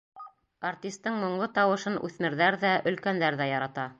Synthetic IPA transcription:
artʲist̪ːɤɴmŏɴlˠɤt̪ɑwɤ̆ʃɤnʉ̰θmɘ̆ɾðæɾðæʔɵ̆lkænd̪æɾðæjɑɾɑt̪ɑ

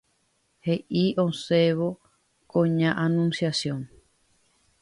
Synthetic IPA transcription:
heʔiʔonseβo | koɲãʔanũnsjasjoŋ

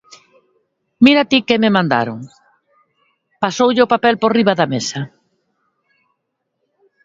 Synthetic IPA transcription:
miɾat̪ikɪmɪmãnd̪a̰ɾoŋ | pasowʎɪʊpapɛlporiβaðamesɐ

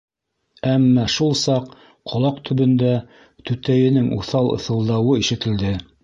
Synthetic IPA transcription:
æmːɑʃulˠsɑq | qʰːŏlˠɑqt̪ʰɵ̆βɵ̆nd̪æ | t̪ʉt̪æjɘ̆nɘŋʔṵθɑlˠɤ̰̆θɤ̆lˠd̪ɑwɤiʃɘ̆t̪ɘ̆ld̪ɘ

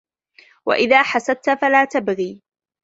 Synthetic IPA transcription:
wa̰ʔɪðaːħasad̪̚t̪falaːt̪abɣiː

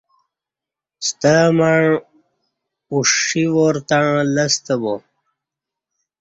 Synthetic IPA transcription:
st̪amaɻ | uʂiʋoɾt̪aɻ̃lɐst̪əbo

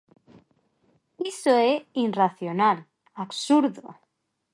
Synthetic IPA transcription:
isoeinraθjonal | aksuɾðo̰

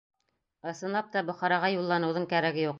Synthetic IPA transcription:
ɤ̆sɤ̆nlˠɑp̚t̪ɑbŏχɑɾɑʁɑjulˠːɑnɤ̆wðɤɴkæɾæɡɘjuq

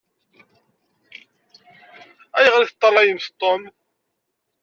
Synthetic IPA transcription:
æjəʁliθt̪ˤːɑlˤɑjəmθt̪ˤːom

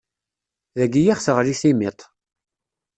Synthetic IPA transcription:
ðæɡijæχθəʁliθimit̪ˤ

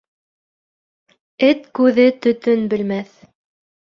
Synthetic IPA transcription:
ɘt̪kʉðɘt̪ɵ̆t̪ɵnbɘ̆lmæθ

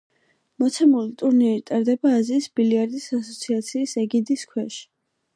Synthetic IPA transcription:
mɔt̪sʰɛmulit̪ʼuɾniɾit̪ʼaɾd̪ɛbaːziːsbiliaɾd̪isasɔt̪sʰiat̪sʰiːsɛɡid̪iskʰwɛʃi̥

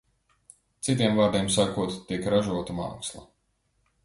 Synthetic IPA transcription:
t̪sit̪̬iɛmvaːɾd̪iɛmsakuɔt̪t̪ːiɛkɾaʒuɔt̪ama̰ːkslˠa̰

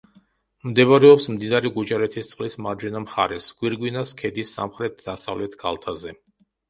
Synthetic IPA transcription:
md̪ɛβaɾɛɔpsmd̪inaɾiɡud͡ʒaɾɛt̪ʰist̪sʼqʼlismaɾd͡ʒwɛnamχa̰ɾɛsɡ̥wiɾɡwinaskʰɛd̪isːa̰mχɾɛt̪̚ʰd̪̥asa̰vlɛt̪ʰɡa̰lˠt̪ʰazɛ

